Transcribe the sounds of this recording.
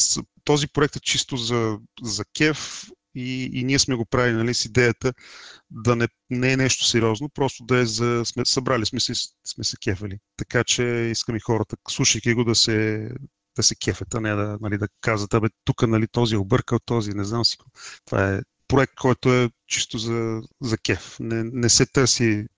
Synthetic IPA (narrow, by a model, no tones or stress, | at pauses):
st̪ɔzipɾoɛk̚t̪ɛt͡ʃist̪ozɐzɐkʲɛf | ḭːniɛsmɛɡopɾavilinɐlisid̪ɛjət̪əd̪ɐnɛ | nɛɛnɛʃt̪o̥sɛɾiɔznopɾɔst̪od̪ɐɛzɐsmɛsɐbɾalismɛsɛsmɛsɛ̥kʲɛfɛlit̪ɐkat͡ʃɛiskəmixɔɾət̪əslˠuʃəjkʲiɡod̪ɐsɛ | d̪̥ɐsɛkʲʰɛfɛt̪ənɛd̪ɐnɐlid̪ɐkazət̪ɐbɛt̪ukənɐlit̪ɔziobɤɾkəot̪ːɔzinɛznamsi̥kot̪va̰ɛ | pɾoɛk̚t̪̚kʰɔjt̪oɛt͡ʃist̪ozɐzɐkʲɛfnɛnɛsɛt̪ɤɾsi